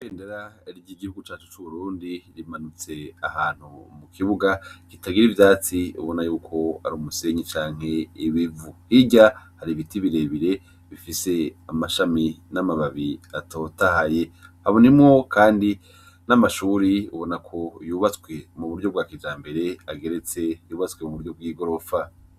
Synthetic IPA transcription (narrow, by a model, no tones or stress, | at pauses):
keːndeɾaɾiɟiɡihuɡut͡ʃaːt͡ʃu̥t͡ʃuβuɾuːndiɾimanut͡se̞ahaːn̥humukʰiβuɡakitaɡiɾivjaːt͡siṵβo̞najuːkʰo̞a̰ɾuːmuse̞ɲit͡ʃaːŋ̥he̞iβivuhiɟahaɾiβitiβiɾe̞βiɾe̞ | βifise̞amaʃaminamaβaβiato̞tahaje̞haβonimŋo̞kʰaːndi | namaʃuːɾiṵβo̞nakʰo̞juːβat͡swe̞muβuɾɟo̞b̚ɡwaːkid͡ʒaːmbe̞ɾe̞aɡe̞ɾe̞t͡se̞juːβat͡skwe̞muβuɾjo̞b̚ɡiːɡo̞ɾo̞fa